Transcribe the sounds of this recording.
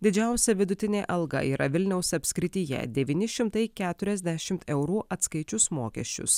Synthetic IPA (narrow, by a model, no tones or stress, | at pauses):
d̪ʲɪd͡ʒʲɛˑʊsʲɛʋʲɪd̪ʊt̪ʲɪnʲeːʔɐlˠɡɐ̰ḭːɾʔɐʋʲɪlʲnʲɛʊsɐpʲsʲkʲɾʲɪt̪ʲijɛ̰d̪ʲɛʋʲiːnʲɪʃʲɪmt̪ɐɪkʲæːt̪ʊɾʲɛzʲd̪ʲæʃʲɪmt̪ɛʊɾuːʔɐt̪skɐɪt͡ʃʲʊsmoːkʲɛ̰ʃʲt͡ʃʲʊ̰s